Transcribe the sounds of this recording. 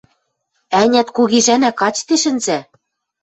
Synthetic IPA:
ænʲæt̪kuɣiʒænækɑt͡ɕt̪eʃɘ̆nzæ

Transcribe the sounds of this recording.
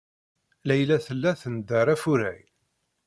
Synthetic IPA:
læjlæθəlːæθənd̪əɾˤæfʊɾæj

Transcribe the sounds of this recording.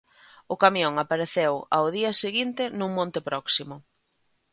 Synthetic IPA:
ʊkamjoŋapaɾeθewaʊðiɐseɣint̪ɪnũŋmõnt̪ɪpɾɔksimʊ

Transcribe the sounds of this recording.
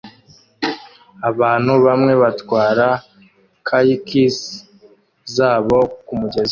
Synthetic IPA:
aβaːn̥huβamŋe̞βatwaːɾa | kʰajikis | zaːβo̞kumuɟez

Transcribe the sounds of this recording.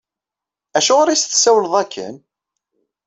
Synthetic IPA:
æʃʊʁaɾisθsæwəlðˤækʰːə̰n

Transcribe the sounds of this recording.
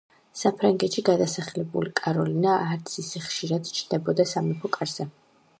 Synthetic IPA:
sapʰɾaŋɡɛt̪ʃiɡad̪asaχlɛbṵlikʼaɾɔlinaʔːɾt̪sʰisɛχʃiɾad̪t͡ʃʰnd̪ɛbɔd̪asamɛpʰɔkʼaɾz̥ɛ

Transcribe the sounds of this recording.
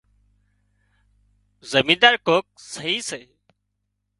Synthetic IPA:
zəmiːnd̪aːɾkoːk̚səɦiːseː

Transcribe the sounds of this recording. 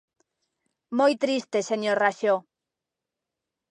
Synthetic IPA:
mojt̪ɾist̪eseɲoɾraʃjo

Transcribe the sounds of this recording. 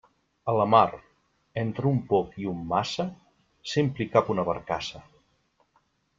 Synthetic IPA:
ələmaɾ | ent̪ɾəumpɔkiumːasə | sempɾikapunəβəɾkasə

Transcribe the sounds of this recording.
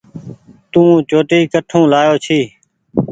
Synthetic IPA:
t̪ũːt͡ʃoːʈiːkəʈʰũːlaːjoːt͡ʃʰiː

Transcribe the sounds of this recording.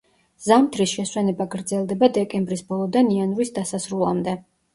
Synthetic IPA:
z̥amt̪ʰɾisʃɛswɛnɛbaɡɾd̪zɛlˠd̪ɛbad̪ɛkʼɛmbɾisbɔlˠɔd̪anianɾisd̪asasɾulˠa̰md̪ɛ

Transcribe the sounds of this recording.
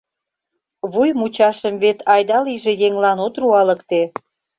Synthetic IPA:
βujmut͡ɕɑʃəmβet̪ʰɑjd̪ɑliʒejeŋlɑnot̪ruɑləkt̪e

